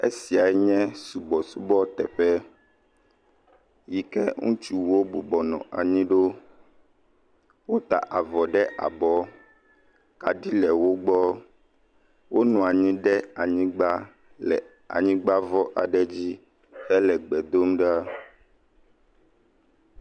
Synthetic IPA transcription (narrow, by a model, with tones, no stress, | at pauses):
ḛ˦si˨a˨ɛ˦ɲɛ̃˦su˨bɔ˨su˦bɔ˦t̪ɛ˨ɸɛ˦ | ji˨kɛ˦ŋṵ̃˦t͡ʃu˦wo˦bu˨bɔ˨nɔ̰̃˨ʔa̰˨ɲĩ˦ɖo˦ | wo˦t̪a̰˨ʔa˨vɔ˨ɖɛ˦ʔa̰˨bɔ˦ | ka˨ɖi˦lɛ˨wo˦ɡ͡bɔ˦ | wʔo˦nɔ̃˨a˨ɲĩ˦ɖɛ˦a˨ɲĩ˦ɡ͡ba˦ | ɛ˨ | a̰˨ɲĩ˦ɡ͡ba˦vɔ˦ʔa˨ɖɛ˦d͡ʑi˦ | ɛ˦lɛ˨ɡ͡bɛ˨d̪o˦mɖa˦